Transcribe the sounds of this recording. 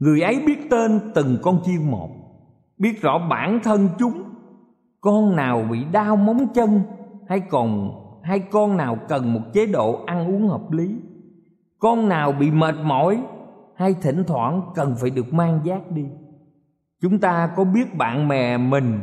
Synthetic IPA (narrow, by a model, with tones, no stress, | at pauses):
ŋɨ˨˩əjʔə˨˦jɓi˦˥ət̚t̪e˧nt̪ɨ˨˩ŋkɔ˧nt͡ɕi˧əŋmo̰˨˩t̚ | ɓi˦˥ət̚zɔ̰˧˥ɓa̰ː˧˩nt̪ʰə˧nt͡ɕʊ˨˦ŋ͡m | kɔ˧nnaː˨˩wɓḭ˧˨ɗaː˧wma˨˦wŋ͡mt͡ɕə˧nha˧jkɔ˨˩nha˧jkɔ˧nnaː˨˩wkə˨˩nmo˨˩t̚t͡ɕe˨˦ɗo̰˧˨ʔa˧nʔu˨˦əŋhəː˨˩p̚li˨˦ | kɔ˧nnaː˨˩wɓḭ˧˨məː˨˩t̚mɔ̰˧˩jha˧jt̪ʰḭ̈˧˩ŋ̟t̪ʰwa̰ː˧˩nkə˨˩nfaː˨˩jɗɨ˨˩ək̚maː˧ŋzaː˦˥t̚ɗi˧ | t͡ɕʊ˨˦ŋ͡mt̪aː˧kɔ˨˦ɓi˦˥ət̚ɓa̰ː˧˨nmɛ̰˧˨mï˨˩ŋ̟